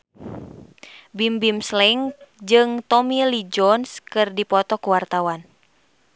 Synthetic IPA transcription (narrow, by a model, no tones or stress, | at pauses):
bimbimslɛŋd͡ʒɨŋt̪ɔmilid͡ʒɔnskɨrdipɔt̪ɔkuwart̪awan